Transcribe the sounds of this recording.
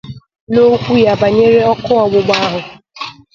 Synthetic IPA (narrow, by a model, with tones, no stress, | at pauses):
no˦kʷu˦ja˨ba˨ɲe˦ɾe˦ɔ˦kʊ˦ɔ˨ɡ͡bʊ˨ɡ͡ba˦ɦʊ˨